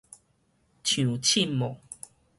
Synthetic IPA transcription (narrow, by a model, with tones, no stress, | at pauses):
t͡ɕʰjũ˨˩t͡ɕʰi˥˨mɔ˨ŋ